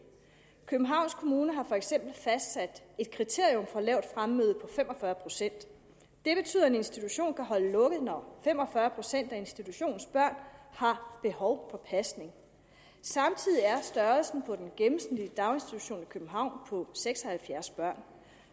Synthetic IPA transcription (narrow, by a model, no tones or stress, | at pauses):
kʰøb̥m̩ɦɑ̈ʊ̰nskʰo̝muːnəɦɑ̈fɒ̽eɡ̥sem̰b̥l̩fæsd̥sæd̥e̝d̥̚kʰʁit͡sʰe̝ɐjɔmfɒ̽lɛ̰ʊd̥fʁamːøːðˠpʰɒ̽femɒ̽fɶːɐpʰʁo̝sen̰d̥ | d̥e̝b̥e̝t͡sʰy̰ðˠene̝nsd̥it͡sʰuɕo̝̰ːnkʰæɦɒ̽ləlɔ̽ɡ̥əð̞̩ˠnɒfem̰ɒ̽fɶɐpʰʁo̝sen̰d̥æe̝nsd̥it͡sʰuɕo̝̰ːn̩sb̥ɶɐ̰nhɑ̈b̥e̝hɒʊfɒ̽pʰæsne̝ŋ | sɑ̈mt͡sʰið̰ˠiæɐsd̥ɶːɐlsn̩pʰɒ̽d̥enɡ̥em̩sn̥ediəd̥ɑ̈ʊe̝nsd̥it͡sʰu̥ɕo̝̰ːnikʰøb̥m̩ɦɑ̈ʊ̰npʰɒ̽seɡ̥sɒhælfjæɐsb̥ɶɐ̰n